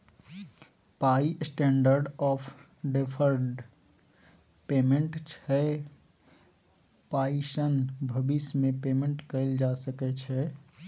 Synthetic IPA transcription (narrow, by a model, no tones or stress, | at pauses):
paisʈẽːɳɖəɾɖɔpʰ | ɖepʰəɾɖ | pemeɳʈt͡ʃʰɛ | paiʃənbʱəbismepemẽɳʈkəɪld͡ʒasəkɛt͡ʃʰɛ